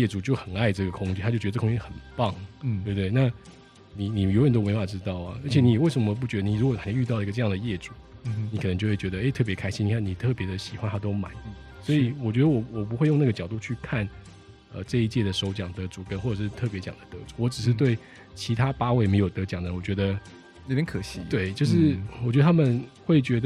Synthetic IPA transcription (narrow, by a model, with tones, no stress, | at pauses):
jɛ˥˩ʈ͡ʂu˨˩t͡ɕjo˥˩ʊxə˨˩na˥˧ɪʈ͡ʂɤ˥˩ɡə˩kʰʊ˥ŋt͡ɕi˥t̪ʰa˥t͡ɕo˥˩t͡ɕkʰʊ˥ŋ˥t͡ɕi˥xə˨˩npɑ˥˩ŋt̪we˥˩bt̪we˥˩ɪna˥˩ | ni˨˩ni˨˩jo˧˥ʊjɛ˨˩no˥wwfa˨˩ʈ͡ʂɻ̩˥t̪ɑ˥˩ʊɐ̰˩ə˞˧˥t͡ɕʰɛ˨˩˦ni˨˩we˥˩ʂə˧˥mə˧p̬u˥˩t͡ɕɥɛ˧˥ə˧ni˨˩ɻu˧˥kwɔ˨˩a˨˩ɕy˥˧t̪ɑ˥˩˧ɡə˧ʈ͡ʂɤ˥˧jɑ˥˩ŋd̪ə˩jɛ˥˩ʈ͡ʂu˨˦ | ni˨˥kʰn˧ŋt͡ɕjwe˥˩t͡ɕɥɛ˧˥d̪ə˧e˥ɪt̪ʰɤ˥˩p̬jɛ˧˥kʰa˥ɪɕĩ˥nʰ˨˩a˥˩ni˨˩t̪ʰɤ˥˩pjɛ˧˥d̪ə˧ɕi˨˩xwa˥˦nt̪ʰa˥t̪̬o˥ʊma̰˨˩˦ni˥˩ | swɔ˧˥i˨˩wɔ˨˩t͡ɕɥɛ˧˦˥d̪ə˧wɔ˨˩wɔ˨˩p̬u˧˥xwe˥˧ɪjna˥˩ɡə˩t͡ɕjɑ˨˩ʊt̪u˥˧t͡ɕʰy˥˧kʰa˥˩n | ə̰˧ʈ͡ʂɤ˥˧i˥˧t͡ɕjɛ˥˩d̪ə˩ʂo˧˥ʊt͡ɕjɑ˨˩ŋd̪ə˧˦t͡su˨˩kə˥nxwɔ˥˩ʈ͡ʂɤ˨˩ʂɻ̩˥˧t̪ʰɤ˥˩p̬jɛ˧˥t͡ɕjɑ̰˨˩ŋd̪ə˦t̪ɤ̰˧˦˥t͡su˨˩˦wɔ˧˥ʈ͡ʂɻ̩˨˩ʂ̬ɻ̩˥˩t̪̬we˥˩ɪ | t͡ɕʰi˧˥t̪ʰa˥pa˥we˥˩ɪme˧˥ɪjo˨˩ʊt̪ɤ˧˥t͡ɕjɑ˨˩ŋd̪ə˧˦wɔ˨˩t͡ɕɥɛ˧˥d̪ə˧ | ɻpʲɛ˧˥nkʰɤ˨˩ɕi˧˥t̪we˥˩ɪt͡ɕjo˥˧ʊʂ̬ɻ̩˥˩wɔ˨˩t͡ɕɥɛ˧˥d̪ə˧˩a˥mə˨nxwe˥˩ɪt͡ɕɥɛ˧˥d̪ə